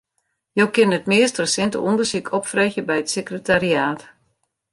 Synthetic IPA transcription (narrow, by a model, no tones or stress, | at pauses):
jowkɪnətmɪəstrəsɪntə̰ʔundərsikʰɔpfrɛxjəbɛjətsəkrətariaːt